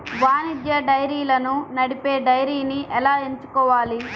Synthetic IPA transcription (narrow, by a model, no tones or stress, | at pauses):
ʋaːnid̪jɐɖɐjɾiːlɐnunɐɽipe̞ːɖɐjɾiːniʔɛlaːeɲt͡ʃu̥kɔːʋaːli